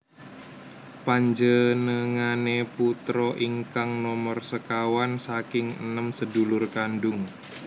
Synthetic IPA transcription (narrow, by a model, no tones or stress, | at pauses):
paɲd͡ʒənəŋaneput̪ɾɔʔiŋkaŋnɔmərsəkawansakɪŋə̰nəmsədulʊrkandʊŋ